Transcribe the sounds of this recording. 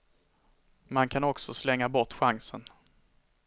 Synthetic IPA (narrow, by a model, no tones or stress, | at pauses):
mankʰanɔksɔslɛŋːabɔʈɧaŋsən